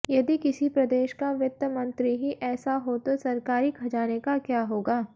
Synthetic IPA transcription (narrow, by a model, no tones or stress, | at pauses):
jɐd̪ikɪsipɾɐd̪eːʃkaʋɪt̪ːəmɐ̃nt̪ɾiɦiʔɛːsaɦot̪osɐɾkaːɾikʰɐd͡ʒaːnekakjaːɦoːɡaː